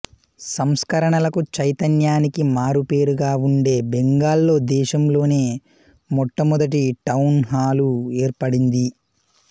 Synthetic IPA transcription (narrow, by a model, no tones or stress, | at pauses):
sɐmskɐɾɐɳɐlɐkut͡ʃɐjt̪ɐnjaːnikimaːɾupe̞ːɾuɡaːuɳɖe̞ːbeŋɡaːlːo̞ːd̪ɛːʃɐmlo̞ːne̞ː | mɔʈːɐmɔd̪ɐʈ̬iʈɐwnɦaːlueːɾpɐɽind̪i